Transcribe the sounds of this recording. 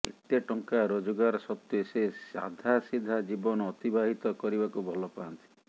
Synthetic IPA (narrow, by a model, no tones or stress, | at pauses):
ḛt̪eʈɔŋkaɾod͡ʒɔɡaɾɔsɔt̪josesa̰d̪ʱasid̪ʱad͡ʒibɔnɔɔt̪ibaɦit̪ɔkɔɾibakubʱɔlɔpaɔnt̪i̥